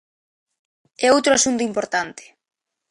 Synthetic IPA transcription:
ɛowt̪ɾʊasunt̪ʊimpoɾt̪ant̪e̥

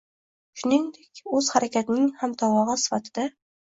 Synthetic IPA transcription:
ʃʊnɪŋd̪ekʲɵz̥haɾakʲat̪nɪŋhamt̪ʰɒwɒʁɨsɪ̥fat̪ʰɪd̪̥a

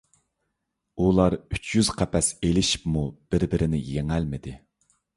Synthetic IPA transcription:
ulˠɑɾyt͡ʃʰjyz̥qʰæpʰɛselɪʃi̥pmub̥ɪɾbɪɾɪnɪjeŋɛlmɪd̪ɪ

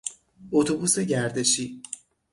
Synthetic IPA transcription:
ot̪ʰobuːseɟæɾd̪e̞ʃiː

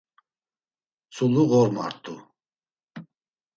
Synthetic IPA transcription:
t͡sʰʼuluɣɔɾma̰ɾt̪ʼu

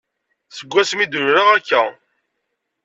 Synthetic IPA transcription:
səɡʷːæsmid̪ʊɾɾaʁækːæ

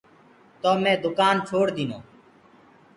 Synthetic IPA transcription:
t̪oːmẽːd̪ʊkaːnt͡ʃʰoːɽd̪iːno̰ː

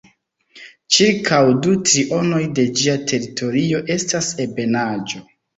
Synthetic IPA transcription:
t͡ʃiɾkʰawdutɾiʔo̞no̞jde̞d͡ʒiatʰe̞ɾitʰo̞ɾio̞ʔe̞stase̞be̞nad͡ʒo̞

